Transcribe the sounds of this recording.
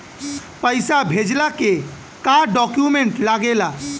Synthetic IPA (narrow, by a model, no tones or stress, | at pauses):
pəjsabʱed͡ʒlake | kaɖɔkjumeɳʈlaɡela